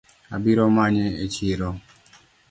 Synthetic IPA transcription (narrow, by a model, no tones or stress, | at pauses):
abiɾɔmaɲɛet͡ʃiɾɔ